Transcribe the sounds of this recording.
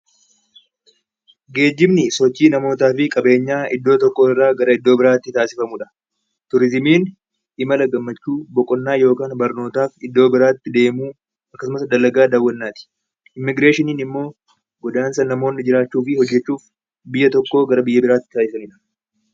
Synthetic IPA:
ɡe̞ːd͡ʒːɪbnɪsɔt͡ʃːiːnɐmo̞ːt̪aːfɪkʼɐbe̞ːɲːaːʔɪd̪ːo̞ːt̪ɔkːo̞ːɪrːaːɡɐɾɐɪd̪ːo̞ːbɪɾaːt̪ːɪt̪aːsɪfɐmuᶑɐ̥ | t̪ʊɾɪzmiːn | ɪmɐlɐɡɐmːɐt͡ʃːuːbɔkʼɔnːaːjo̞ːkaːnbɐɾno̞ːt̪aːfɪd̪ːo̞ːbɪɾaːt̪ːɪd̪e̞ːmuː | ɐkːɐsʊmɐsd̪ɐlːɐɡaːd̪ɐwːɐnːaːt̪ɪ̥ | ʔɪmːɪɡɾe̞ːʃɪniːnɪmːo̞ː | ɡɔd̪aːnsɐnːɐmo̞ːnːɪd͡ʒɪɾaːt͡ʃːuːfɪhɔd͡ʒːɛt͡ʃːuːf | bɪjːɐt̪ɔkːo̞ːɡɐɾɐbɪjːɐbɪɾaːt̪ːɪ̥t̪aːsɪfɐmɪᶑɐ̥

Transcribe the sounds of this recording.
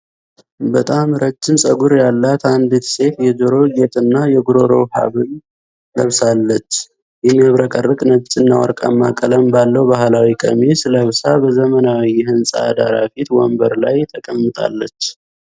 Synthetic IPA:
bət̪ʼamɾət͡ʃːɪnsʼəɡuɾjalːat̪and̪et̪se̞fjɛd͡ʒoɾo̞d͡ʒet̪ʼɨnːajɛɡuɾo̞ɾo̰ha̰βɨn | ləβsalːət͡ʃː | jɛmːiaβɾəkʼərːəkʼnəβt͡ʃʼɨnːawɔ̰ɾkʼa̰mːakʼələmbalːəwbahlawikʼə̰mesɨləβsabəzəmənawiːɛɦɨnsʼa̰ːd̪aɾafit̪wɔ̰mbəɾlajt̪ʼʰəkʼəmːɨt̪ʼa̰lːət͡ʃː

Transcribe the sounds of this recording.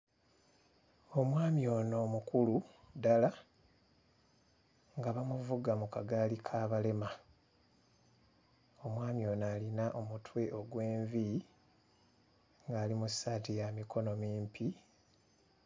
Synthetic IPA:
o̞mwaːmjo̞ːno̞ːmukulu | dala | ŋɡaβamuvuɡamukaɡalikʰaːβale̞ma | o̞mwaːmjo̞ːnaːlinaʔo̞mutwe̞ʔo̞ɡwe̞ːɱvi | ŋɡaːlimusaːtijamiko̞no̞miːmpi

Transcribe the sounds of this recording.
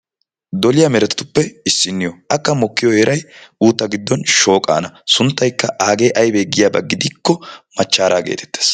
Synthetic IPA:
d̪ɔlɪjɐmɛɾɛt̪ɪ̥t̪ʊpːɛɪsːɪnːɪjɔɐkːɐmɔkːɪjɔheːɾɐjuːt̪ːɐɡɪd̪ːɔnʃo̞ːkʼa̰ːnɐsʊnt̪ːɐjkːɐʔaːɡe̞ːʔɐjbeɡɪjaːbɐ̰ɡɪd̪ɪkːɔmɐt͡ʃːaːɾaːɡḛːt̪ʰɛ̥t̪ːe̥ːs

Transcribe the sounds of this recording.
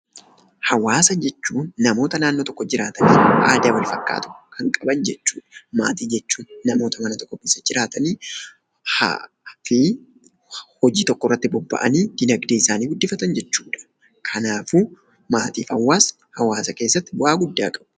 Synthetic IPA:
hɐwaːsɐd͡ʒɛt͡ʃːuːnːɐmo̞ːt̪ɐnaːnːoːt̪ɔkːɔd͡ʒɪɾaːt̪ɐniːʔa̰ːd̪awɐlfɐkʼːa̰ːt̪ʊ̥kʰɐŋkʼɐbɐnd͡ʒɛt͡ʃːuːᶑma̰ːt̪iːd͡ʒɛt͡ʃːuːnːɐmo̞ːt̪ɐmɐnɐt̪ɔkːɔbɪsɐd͡ʒɪɾaːt̪ɐniː | ha̰ | fi | hɔd͡ʒiːt̪ɔkːɔrːɐt̪ːɪbɔbːɐ̰ʔɐ̰niːd̪̥ɪnɐɡd̪eːɪsaːniːbʊd̪ːɪfɐt̪ɐnd͡ʒɛt͡ʃːuːᶑɐ̥ | kʰɐnaːfu | maːt̪iːfɐwːaːs | hɐwaːsɐke̞ːsːɐt̪ːɪbʊaːɡʊd̪ːa̰ːkʼɐ̥b̥ʊ

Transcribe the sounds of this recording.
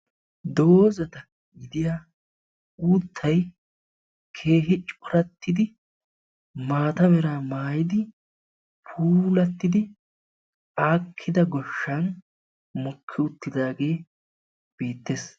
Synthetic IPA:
d̪o̞ːzɐt̪ɐ | ɡɪd̪ɪjaː | uːt̪ʰːɐj | kʰe̞ːɦɪt͡ʃʼɔɾɐt̪ːɪd̪ɪ | maːt̪ɐmɛɾaːmaːjɪd̪ɪ | pʰuːlɐt̪ːɪd̪ɪ | aːkʰːɪd̪ɐɡɔʃːɐn | mʊkʰːɪʊt̪ːɪd̪aːɡe̞ː | b̥iːt̪ːeːs

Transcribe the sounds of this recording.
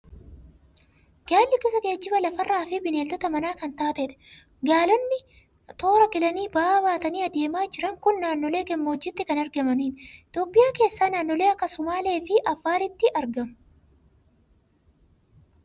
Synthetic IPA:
ɡ̥aːlːɪkʊsɐɡe̞ːd͡ʒːɪbɐlɐfɐrːaːfɪbɪneːld̪ɔt̪ɐmɐnaːkɐnt̪aːt̪ɛᶑ̪ɛ̥ | ɡaːlɔnːɪ | t̪o̞ːɾɐɡɪlɐniːbaːbaːt̪ɐniːɐd̪e̞ːmaːd͡ʒɪɾɐŋkʊnːaːnːɔle̞ːɡɛmːoːd͡ʒːɪt̪ːɪkɐnɐɾɡɐmɐniːnt̪o̞ːpːɪjaːke̞ːsːaːnaːnːɔle̞ːɐkːɐsʊmaːle̞ːfɪʔɐfːaːɾɪt̪ːɪʔɐɾɡɐmʊ

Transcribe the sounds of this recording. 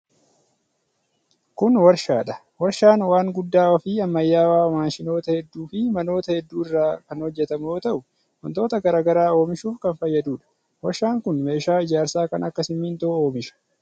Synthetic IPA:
kʊnwɐɾʃaːᶑɐ | wɐɾʃaːnwaːŋɡʊd̪ːaːɔfiːɐmːɐjːaːwaːmaːnʃɪno̞ːt̪ɐhɛd̪ːuːfɪmɐno̞ːt̪ɐhɛd̪ːuːɪrːaːkɐnhɔd͡ʒːɛt̪ɐmjoːt̪ɐʔʊ | wɔ̰nt̪o̞ːt̪ɐɡɐɾaːɡɐɾaːo̞ːmɪʃuːfkɐnfɐjːɐd̪uːᶑɐ̥ | wɐɾʃaːŋkʊnme̞ːʃaːɪd͡ʒaːɾsaːkɐnɐkːɐsɪmːiːnt̪oo̞ːmɪʃɐ̥

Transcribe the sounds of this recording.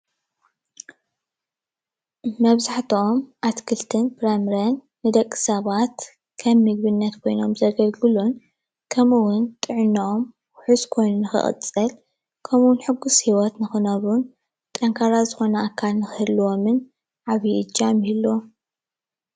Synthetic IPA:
mɐβzaħt̪ʰomʔat̪kʰɨlt̪ʰɨnbɾamɾɐnːɨd̪ɐkʼːɨ̥sɐβat̪ | kʰɐmːɨɡ̚bɨnːɐt̪kʰo̞jno̞mzɐɡɐlɡɨlun | kʰɐmɨwʊnt̪ʼɨʕnɐom | ʊħuzkʰo̞jnunɨxɨ̰χʼɨ̰t͡sʼɨl | kʰɐmuwʊnħɨɡushiwɔt̪nɨxɨnɐβun | t̪ʼɐŋkʰaɾazɨxo̞nɐakʰːalnɨxɨhɨdluwomɨn | ʕaβjiʔɨd͡ʒːamhilːo

